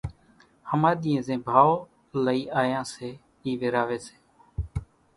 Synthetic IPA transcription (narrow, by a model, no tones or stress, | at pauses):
həmaːɗ̪iːẽːzẽːbʱaːʋoː | ləiːʔaːjãːseː | iːʋɪɾaːʋeːse̥ː